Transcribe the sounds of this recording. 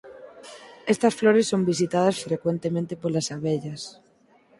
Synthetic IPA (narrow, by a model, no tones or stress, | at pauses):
est̪asfloɾesːombis̬it̪að̞asfɾekwent̪emẽnt̪epoɾlasaβeʎas